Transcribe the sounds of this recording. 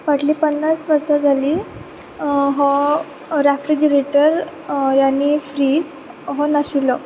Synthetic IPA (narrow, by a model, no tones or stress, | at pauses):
ʋaʈliːpənːasʋəɾsad͡zʱaliː | ɦɔ | ɾefɾid͡ʑəɾeʈəɾjanːiːfɾiːd͡z | ɦɔnaɕilɔ